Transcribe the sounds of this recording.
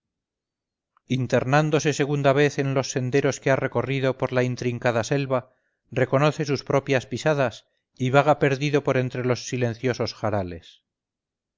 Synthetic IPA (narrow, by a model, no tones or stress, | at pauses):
int̪e̞ɾnand̪o̞se̞se̞ɣ̞und̪aβ̞e̞θe̞nlo̞sːe̞nd̪e̞ɾo̞skeare̞ko̞riðo̞po̞ɾlaint̪ɾiŋkaðase̞lβa | re̞ko̞no̞θe̞suspɾo̞pjaspisaðas | iβaɣape̞ɾðiðo̞po̞ɾe̞nt̪ɾe̞lo̞sːile̞n̟θjo̞so̞sxaɾale̞s